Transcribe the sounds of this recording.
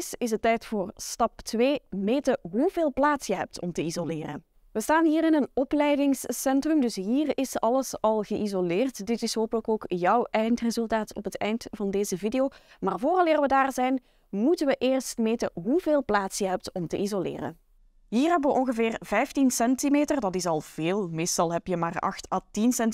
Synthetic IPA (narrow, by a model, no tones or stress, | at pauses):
sɪsətɛjtfʊːrstɑp̚tʋeːmeːtəɦuveːlˠplaːtsjəɦɛp̚tʰɔmtəizolɪːrə̰ | ʋəstaːnɦiːrɪnənɔplɛjdɪŋssɛntrɵmdɵsɦiːrɪsɑləsɑlˠɣəʔizolɪːrtdɪtɪsɦoːpələkoːkjʌwʔɛjntrezɵlˠtaːtʰɔ̰pɦətʰɛ̰jntvɑndeːzəvidejoː | maːrvoːrɑlɪːrʋədaːrzɛjn | mutənʋəʔɪːrstmejtəɦuveːlˠplaːtsjəɦɛp̚tɔmtəʔizolɪ̰ːrə̰ | ɦiːrɦɛbəʋəʔɔnɣəvɪːrvɛjftinsɛntimeːtərdɑtɪsɑlˠv̥eːlˠmeːstɑlˠɦɛpjəmaːrɑ̰xtatinsɛnt